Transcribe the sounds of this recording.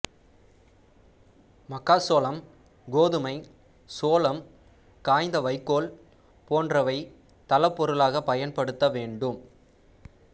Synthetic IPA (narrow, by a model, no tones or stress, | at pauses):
mɐkːaːsoːlɐm | ɡoːðɯmɐɪ | soːlɐm | kaːjnd̪ɐʋɐɪkːoːl | poːndrɐʋɐɪ | t̪ɐlɐpːɔɾɯlaːɣɐpɐjɐnpɐɽɯt̪ːɐʋeːɳɖɯm